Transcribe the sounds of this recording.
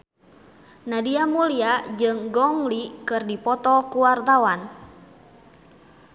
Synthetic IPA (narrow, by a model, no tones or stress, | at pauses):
nadiamuliad͡ʒɨŋɡɔŋlikɨrdipɔt̪ɔkuwart̪awan